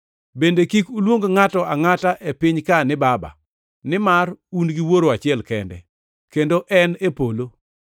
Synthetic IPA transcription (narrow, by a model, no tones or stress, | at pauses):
bendekikulwoŋɡoŋatɔaŋataʔepɪɲkanɪbaba̰ | nɪmarunɡiwoɾoat͡ʃɪɛlkɛ̰ndɛ̰ | kendoʔɛnepolo